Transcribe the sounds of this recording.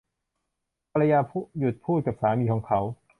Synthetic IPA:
pʰa˧ɾa˧jaː˧pʰːju˨˩t̪̚pʰuː˥˩t̪̚ka˨˩p̚saː˩˦miː˧kʰɔː˩˦ŋkʰa˩˦w

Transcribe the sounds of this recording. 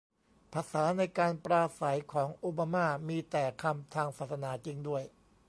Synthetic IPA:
pʰaː˧saː˩˦na˧jkaː˧npɾaː˧sa˩˦jkʰɔː˩˦ŋʔoː˧baː˧maː˥˩miː˧t̪ɛː˨˩kʰa˧mt̪ʰaː˧ŋsaː˨˩t̪̚sa˧naː˩˦t͡ɕi˧ŋdu˥˩əj

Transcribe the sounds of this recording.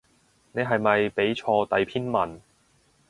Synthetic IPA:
ne˨˧jɦɐ˨jmɐ˨jpe˨˥jt͡ʃʰɔː˧t̪ɐ˨jpʰiː˥nmɐ˨n

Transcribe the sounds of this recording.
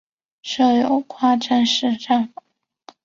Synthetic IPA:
ʂɤ˥˩jo˨˩ʊkʰwa˥ʈ͡ʂʰə˥nʂɻ̩˥˧ʈ͡ʂɑ˥˩ŋ

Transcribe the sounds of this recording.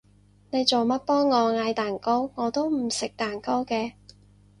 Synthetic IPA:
ne˨˧jt͡so˨wmɐ˥t̚pɔː˥ŋːɔː˨˧ŋaː˧jt̪aː˨˩nko˥wŋɔː˨˧t̪o˥wm̩˨˩sɪ˨k̚t̪aː˨˩nko˥wkɛː˧

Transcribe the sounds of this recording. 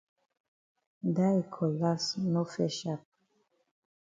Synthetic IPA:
da˦i˨kʰɔ˨la˦sno˦fɛ˦ʃa˦˨p̚

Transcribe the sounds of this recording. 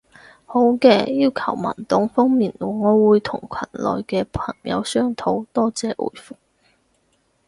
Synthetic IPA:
ho˨˥wkɛː˧jiː˥wkʰɐ˨˩wmɐ̰˨˩nt̪ʊ˨˥ŋfɔː˥ŋmiː˨nluː˨˩ŋɔː˨˧wuː˨˧jt̪ʰʊ˨˩ŋkʰɐ˨˩nlɔ̰ː˨jkɛː˧pʰɐ˨˩ŋjɐ̰˨˧wsœː˥ŋt̪ʰo˨˥wt̪ɔː˥t͡sɛː˨˥ʔṵː˨˩jfʊ˨˩k̚

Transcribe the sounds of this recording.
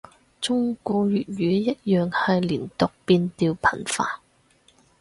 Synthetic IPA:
t͡sʊ˥ŋkuː˧jyː˨t̚jyː˨˥jɐ˥t̚jœː˨ŋhɐ˨jliː˨˩nt̪ʊ˨k̚piː˧nt̪iː˧wpʰɐ˨˩nfa̰ː˧

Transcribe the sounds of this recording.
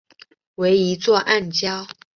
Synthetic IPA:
we˧˥ɪi˧˥t͡swɔ˥˧ʔa˥˩nt͡ɕjɑ˥ʊ

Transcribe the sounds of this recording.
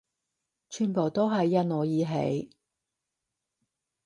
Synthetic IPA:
t͡ʃʰyː˨˩npo˨˩wt̪o˥wɦɐ˨jːɐ˥n̚ŋɔː˨˧jiː˨˧ɦḛ˨˥j

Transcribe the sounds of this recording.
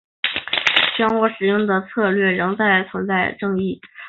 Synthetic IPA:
ɕɥɑ˥ŋwɔ˧˥ʂɻ̩˨˩jʊ˥˩ŋd̪ə˩t͡sʰɤ˥˧lɥɛ˥˩ɻɤ˧˥ŋt͡sa˥˩ɪt͡sʰwə˧˥nt͡sa˥˧ɪʈ͡ʂɤ˥˧ŋi˥˩

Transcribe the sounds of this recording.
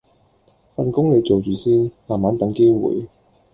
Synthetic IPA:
fɐ˨nkʊ˥ŋle˨˧jt͡so˨wt͡ʃyː˨siː˥nmaː˨mːaː˨˥nt̪ɐ˨˥ŋke˥wṵː˨˥j

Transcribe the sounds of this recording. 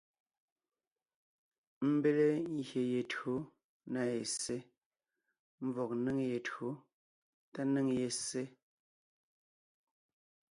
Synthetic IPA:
m̩˦be˦le˦ŋ̩˨ɣje˨je˨to˨˦ | na˨je˨se˦ | m̩˨vɔ˨k̚nɨ˦ŋje˨txo˨˦ | ta˦nɨ˦ŋje˨se˦

